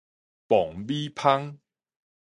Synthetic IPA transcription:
pɔ˨˩ŋbi˦pʰa˦ŋ

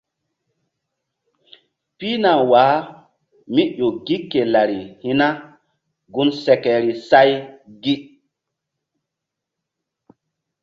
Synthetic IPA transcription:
pi˦na˨wa˨˦ | mi˦ʄo˨ɡi˦kːe˨la˨ɾi˨hi˦na˦ | ɡu˦nsɛ˨kɛ˨ɾi˨sa˦jɡi˦

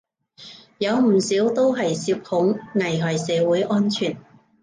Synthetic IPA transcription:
jɐ˨˧wm̩˨˩siː˨˥wt̪o˥wɦɐ˨jsiː˧p̚hʊ˨˥ŋŋɐ˨˩jɦɔː˨˩jsɛː˨˧wuː˨˥jʔɔː˥nt͡ʃʰyː˨˩n

